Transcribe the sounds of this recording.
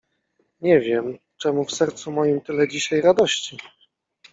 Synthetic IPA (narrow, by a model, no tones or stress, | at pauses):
ɲɛvʲjɛm | t͡ʂɛmufsɛɾt̪sumɔjimt̪ɘlɛd͡ʑiɕajɾad̪ɔɕt͡ɕi